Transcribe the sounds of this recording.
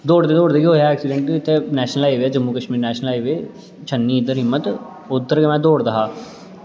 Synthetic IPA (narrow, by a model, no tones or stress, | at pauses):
d̪oːɽd̪eːd̪oːɽd̪eːɡiɦoːjaɛːksɪɖə̃ɳʈɪt̪ʰːeːnɛːʃnəlaːiʋeːd͡ʒəmːuːkəʃmiːɾnɛːʃnəlaːiʋeː | t͡ʃʰənːiːd̪əɾɦɪmːət̪ | ʊd̪əɾkeːmɛ̃ːd̪oːɽd̪əɦaː